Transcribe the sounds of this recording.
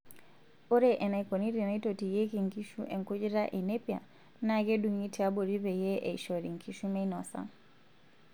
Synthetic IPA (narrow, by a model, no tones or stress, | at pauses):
ɔɾɛʔɛnaikɔniɾinaitɔtijɛkiŋkiʃuʔɛŋkud͡ʒiɾaʔɛnɛpja̰ | naɡɛɗuŋitɛabɔɾivɛjɛʔɛiʃɔɾḭŋkʰiʃumɛinɔsa̰